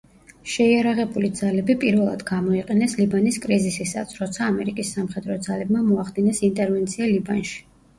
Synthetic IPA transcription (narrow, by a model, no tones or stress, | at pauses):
ʃɛiaɾaʁɛbulid̪zalɛbipʼiɾvɛlˠa̰d̪ɡamɔiqʼɛnɛslibaniskʼɾizisisa̰t̪sʰɾɔt̪sʰaːmɛɾikʼisːamχɛd̪ɾɔd̪zalɛbmamɔaχd̪inɛsint̪ʼɛɾvɛnt̪sʰialiba̰nʃi̥